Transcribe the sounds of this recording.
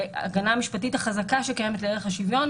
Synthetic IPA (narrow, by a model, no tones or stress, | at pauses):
a̰ɡanamiʃpatithaχazakaʃekajemetleeeχhaʃivjo̞n